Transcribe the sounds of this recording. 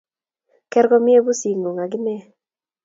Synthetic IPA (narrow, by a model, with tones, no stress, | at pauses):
kɛ˦ɾɡɔ˦mɪ˦e˦bu˦si˨ŋo˨ŋa˨ɡɪ˦nɛ˦